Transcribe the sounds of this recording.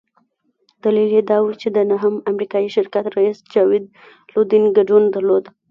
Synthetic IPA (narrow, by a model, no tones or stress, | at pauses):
d̪̥aliljed̪ɑwut͡ʃed̪ənaɦəmamɾikɑjiʃɪɾkat̪ɾaisd͡ʒɑwɪd̪̚ | lod̪inɡaɖund̪aɾlod̪